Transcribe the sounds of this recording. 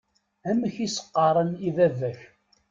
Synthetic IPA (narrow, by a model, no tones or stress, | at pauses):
æməçisə̥qːɑɾˤəniðævæç